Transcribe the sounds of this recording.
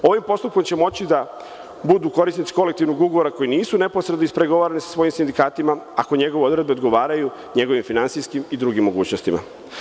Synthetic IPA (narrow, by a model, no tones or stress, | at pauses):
o̞ʋimpo̞st̪up̚ko̞mt͡ɕe̞mo̞t͡ɕid̪a | bud̪uːko̞ɾisnit̪si̥ko̞lekt̪iʋnoɡuɡoʋo̞ɾako̞jiniːsune̞po̞sɾed̪noispɾe̞ɡo̞ʋaːɾanisḁsʋo̞jimsind̪ikaːt̪imaako̞ɲe̞ɡo̞ʋeo̞d̪ɾe̞d̪beod̪ɡo̞ʋaːɾaju | ɲe̞ɡo̞ʋimfinant̪siskimid̪ɾuɡimːo̞ɡuːt͡ɕnost̪ima̰